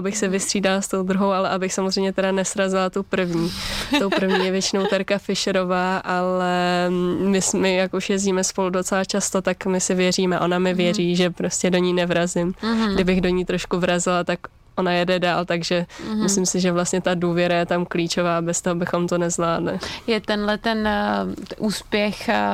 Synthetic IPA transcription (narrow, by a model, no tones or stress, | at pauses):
ʔabɪxsɛvɪst̪r̥iːdalast̪o̞wd̪ɾuɦo̞wʔalɛʔabɪxsamozrɛjmɲɛt̪ɛdanɛsɾazɪlat̪upr̩vɲiːowpɾ̩vɲiːjɛvjɛt͡ʃɪnowt̪ɛɾkafɪʃɛɾo̞vaːʔalɛ | mɪsmɪjakuʃjɛziːmɛspo̞ludo̞t͡sɛlat͡ʃast̪o̞t̪akmɪsɪvjɛriːmɛʔo̞namɪvjɛriːʒɛpɾo̞scʲɛdo̞ɲiːnɛvɾazɪmɡdɪbɪɣdo̞ɲiːt̪ɾo̞ʃkuvɾazɪlat̪ak | ʔo̞najɛdɛdaːlt̪aɡʒɛmɪslɪmsɪʒɛvlast̪ɲɛt̪aduːvjɛɾajɛt̪amkliːt͡ʃo̞vaːbɛst̪oɦobɪxo̞mt̪o̞nɛzvlaːdlɪjɛt̪ɛnlɛt̪ɛn | ʔuːspjɛx